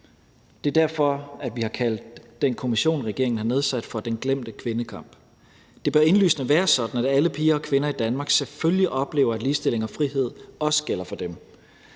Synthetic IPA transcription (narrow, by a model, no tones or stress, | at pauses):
d̥e̝ɐd̥æɐfɒ̽æd̥ʋihɑ̈kʰæl̰d̥ːenkʰo̝miɕo̝̰ːnʁɛɡ̥e̝ɐ̰eŋn̩hɑ̈ne̝ð̞ˠsæd̥fɒ̽d̥enɡ̥lem̰d̥əkʰʋe̝nəkʰɑ̈m̰b̥ | d̥e̝b̥ɶɐe̝nly̰ːsnəʋæːɐsɒ̽d̥n̩æd̥æləpʰiːɐɒ̽kʰʋe̝nɐid̥ænmɑ̈ːɡ̥seføljiʔɒ̽b̥le̝̰ːʊɐæd̥liːsd̥e̝l̰e̝ŋɒ̽fʁiɦe̝ð̞̰ˠɒ̽sə̥ɡ̥el̰ɐfɒ̽d̥em